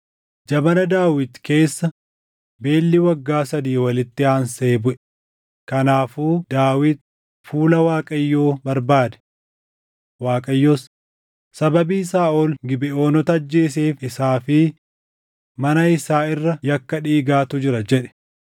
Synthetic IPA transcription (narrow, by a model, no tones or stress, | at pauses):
d͡ʒɐbɐnɐd̪aːwɪt̪ke̞ːsːɐ | be̞ːlːɪwɐɡːaːsɐd̪iːwɐlɪt̪ːɪhaːnseːbʊʔɛ | kɐnaːfuːd̪aːwɪd̪̚ | fuːlɐwaːkʼɐjːo̞ːbɐɾbaːd̪ɛ̥ | waːkʼɐjːoːs | sɐbɐbiːsaːʔoːlɡɪbɪo̞ːnɔt̪ɐɐd͡ʒːe̞ːs̬eːfɪsaːfɪ | mɐnɐɪsaːɪrːɐjɐkːɐᶑiːɡaːt̪ʊd͡ʒɪɾɐd͡ʒɛᶑɛ̥